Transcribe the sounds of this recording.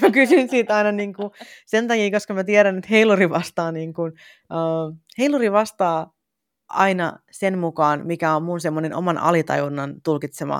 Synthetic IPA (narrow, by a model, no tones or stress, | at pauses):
mækysyinsiːt̪ɑinɑniːŋkusent̪ɑkiːkoskɑmæt̪iæɾænet̪heiluriʋɑst̪ɑːniːŋkun | ʔəːheiluriʋɑst̪ɑː | ʔɑ̰inɑ̰senmukɑːnmikæommunsemːoneno̰mɑnʔɑ̰lit̪ɑ̰junːɑnt̪ulkit̪semɑ̰